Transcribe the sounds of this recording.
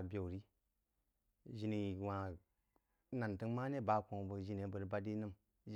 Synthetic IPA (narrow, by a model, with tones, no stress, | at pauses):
bʲe˨ɾi˦ | ʒi˨ni˨wã˨ | na˨ntɨ˦ŋma˦ne˦˨ba˨˦kõ˨bə˨ʒi˨ne˨˦bə˨ɾba˦di˦nɨ˦m